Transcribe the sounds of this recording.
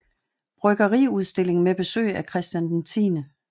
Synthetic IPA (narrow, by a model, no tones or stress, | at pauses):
b̥ʁœɡ̥ɐʁḭuð̞ˠsd̥e̝le̝ŋ̩meb̥e̝sø̰ɪækʰʁɛsd̥jænd̥ent͡sʰḭːnə